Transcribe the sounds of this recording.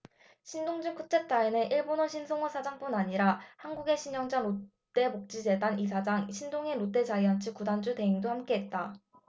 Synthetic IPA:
ɕʰindoŋd͡ʑɯŋk͈ut͡ɕ͈et̚t͈aeneʔiɭbonʌɕʰinsʰoŋʌsʰad͡ʑaŋp͈unaɲiɾahanɡuɡe̞ɕʰiɲjʌŋd͡ʑanot͈e̞mok̚t͡ɕ͈id͡ʑe̞danisʰad͡ʑaŋɕʰindoŋeɾot͈e̞d͡ʑaiant͡ɕʰɯkudand͡ʑute̞iŋdohamk͈e̞ɦet̚t͈a

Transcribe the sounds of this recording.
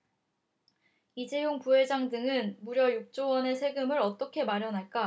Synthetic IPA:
id͡ʑejoŋpuɦe̞d͡ʑaŋdɯŋɯnmuɾjʌjuk̚t͡ɕ͈owʌne̞sʰe̞ɡɯmɯɾʌt͈ʌkʰe̞maɾjʌnɦaɭk͈a

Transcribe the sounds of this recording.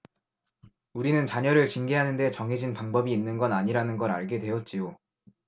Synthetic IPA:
uɾinɯnt͡ɕaɲʌɾɯɭt͡ɕinɡiɦanɯnde̞t͡ɕʌŋɦe̞d͡ʑinpaŋbʌbiːnːɯnɡʌnaɲiɾanɯnɡʌɾa̰ɭɡe̞dwe̞jʌt̚t͡ɕ͈ijo

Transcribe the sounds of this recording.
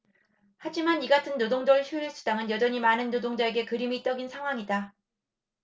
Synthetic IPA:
had͡ʑimaniɡatʰɯnːodoŋdʌɭɕʰjuiɭs͈u̥daŋɯnjʌd͡ʑʌɲimanɯnːodoŋd͡ʑae̞ɡe̞kɯɾimit͈ʌɡinsʰaŋɦwaŋida

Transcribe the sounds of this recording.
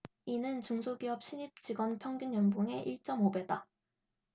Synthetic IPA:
inɯnt͡ɕuŋsʰoɡiɦʌp̚ɕ͈ʰiɲip̚t͡ɕ͈iɡwʌnpʰjʌŋɡjunjʌnbuŋe̞ʔiɭt͡ɕ͈ʌmobe̞da

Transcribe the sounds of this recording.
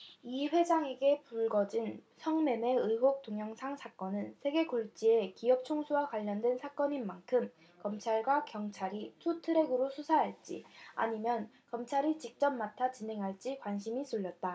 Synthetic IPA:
iɸwe̞d͡ʑaŋe̞ɡe̞puɭɡʌd͡ʑinsʰʌŋme̞me̞ɯjɦok̚t͈oŋjʌŋsʰaŋsʰak͈ʌnɯnsʰe̞ɡe̞koɭt͡ɕ͈ie̞kiʌp̚t͡ɕʰoŋsʰuwakwaʎːʌndwe̞nsʰak͈ʌɲinːankʰɯm | kʌmt͡ɕʰaɭɡwakjʌŋt͡ɕʰaɾitʰutʰɯɾe̞ɡɯɾosʰusʰaɦaɭt͡ɕ͈ḭa̰ɲimjʌn | kʌmt͡ɕʰaɾit͡ɕik̚t͡ɕ͈ʌmmatʰat͡ɕine̞ŋɦaɭt͡ɕ͈ikwanɕʰimisʰuʎːʌt̚t͈a

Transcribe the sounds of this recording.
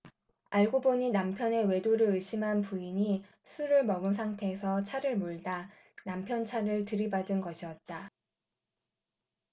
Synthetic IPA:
aɭɡoboɲinampʰjʌne̞we̞doɾɯɭɯɕʰimɦanpuiɲi | sʰuɾɯɭmʌɡɯns̬ʰaŋtʰe̞ːsʰʌt͡ɕʰaɾɯɭmoɭda | nampʰjʌnt͡ɕʰaɾɯɭtɯɾibadɯnɡʌɕʰiʌt̚t͈a

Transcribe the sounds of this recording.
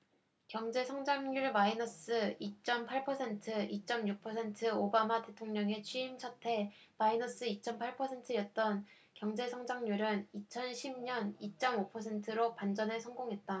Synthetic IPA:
kjʌŋd͡ʑe̞sʰʌŋd͡ʑaŋɲuɭmainʌs͈ɯit͡ɕ͈ʌmpʰaɭpʰʌsʰe̞ntʰɯit͡ɕ͈ʌmjuk̚pʰʌsʰe̞ntʰɯobamate̞tʰoŋɲʌŋe̞t͡ɕʰiimt͡ɕʰʌtʰe̞mainʌs͈ɯit͡ɕ͈ʌmpʰaɭpʰʌsʰe̞ntʰɯjʌt̚t͈ʌn | kjʌŋd͡ʑe̞sʰʌŋd͡ʑaŋɲuɾɯnit͡ɕʰʌnɕʰimɲʌnit͡ɕ͈ʌmopʰʌsʰe̞ntʰɯɾopand͡ʑʌnɯɭsʰʌŋɡoŋɦe̞t̚t͈a

